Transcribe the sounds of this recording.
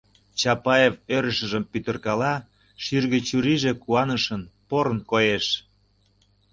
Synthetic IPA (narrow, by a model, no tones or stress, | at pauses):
t͡ɕɑpɑjevøɾə̆ʃə̆ʒəmpyt̪ə̆rkɑlɑ | ʃyrɣə̆t͡ɕuɾiʒĕkuɑnəʃənpoɾənkojeʃ